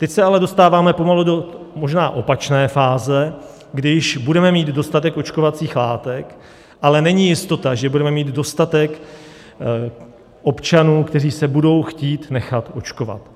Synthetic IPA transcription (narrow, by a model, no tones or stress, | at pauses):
t̪ɛcsɛalɛdo̞st̪aːvaːmɛpo̞maludo | mo̞ʒnaːʔo̞pat͡ʃnɛːfaːzɛ | ɡdɪɪʃbudɛmɛmiːd̪do̞st̪at̪ɛko̞t͡ʃkovat͡siːxlaːt̪ɛk | ʔalɛnɛɲijɪst̪o̞t̪aʒɛbudɾɛmɛmiːd̪do̞st̪at̪ɛk | ʔo̞pt͡ʃanuːkt̪ɛriːsɛbudo̞wxciːt̪nɛxat̪ʔo̞t͡ʃko̞va̰t̪